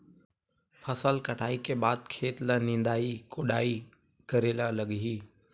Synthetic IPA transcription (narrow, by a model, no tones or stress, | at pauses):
fɐsəlkɐʈʰaːikʰeːɓaːd̪̚kʰeːt̪lənĩːnd̪aːikoːɗaːi | kɐɾeːlaːlɐɠɦiː